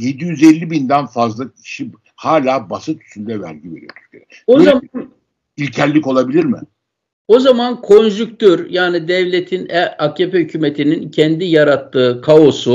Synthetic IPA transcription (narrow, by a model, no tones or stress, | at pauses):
je̞d̪ijyzelʲːibind̪ænfazlˠacʰi̥ʃi | haːlʲaːbasɯt̪ʰy̥synd̪ɛvæ̰ɾɟiveɾijot̪ʰyɾcʰeɾɛ | oaan | ilʲcʰæɾlːʲiko̞lˠabilʲiɾmɪ̰ | o̞zamankʰo̞nʒykt̪ʰøɾjaːnid̪ɛvlʲet̪ʰinɛacʰːepɛhycʰymet̪ʰinincʰɛnd̪ijaɾat̪ʰːɯːkʰao̞su